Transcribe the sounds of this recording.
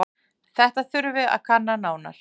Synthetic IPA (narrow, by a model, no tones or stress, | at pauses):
θɛht̪aθʏɾvɪa̰ðkʰanːanaːwna̰ɾ̥